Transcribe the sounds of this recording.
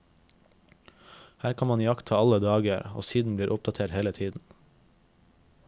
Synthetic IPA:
hæːɾkʰɑnmɑnjɑkt̪ʰɑːɑləd̪ɑːɡəəɾo̰ːsiːd̪n̩bliːɾʔʊp̚d̪ɑt̪ʰeːʈheːlət̪ʰiːd̪n̩

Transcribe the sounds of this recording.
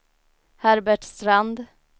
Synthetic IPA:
hæɾbæʈst̪ɾand̪

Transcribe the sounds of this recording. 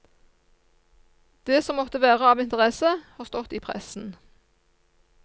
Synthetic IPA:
d̪̥eːsɔmːɔt̪əʋæːʁəɑːʋɪnt̪əʁɛsəhɑːʁst̪ɔt̪iːpʰʁɛ̰sn̩

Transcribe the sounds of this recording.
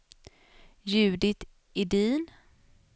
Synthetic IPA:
jʉ̟ːd̪ɪt̪ | ɪd̪iːn

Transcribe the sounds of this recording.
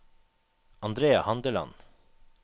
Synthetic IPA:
ɑnd̪ɾeːɑhɑnd̪əlɑ̰n

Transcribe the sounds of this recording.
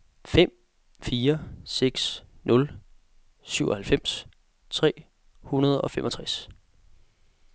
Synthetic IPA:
fem̰ | fiːɐseɡ̥snʔɔ̽l | syʊʔɒ̽hælfem̰s | t͡sʰʁɛ̰ː | hunɐð̞ˠɒ̽femʔɒ̽t͡sʰʁas

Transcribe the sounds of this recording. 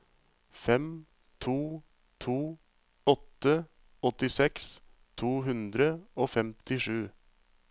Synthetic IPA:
fɛm | t̪ʰuː | t̪ʰuː | ɔt̪ːə | ɔt̪ɪsɛkst̪ʰuːɦʉnd̪ɾəoːfɛmt̪ɪʂʉː

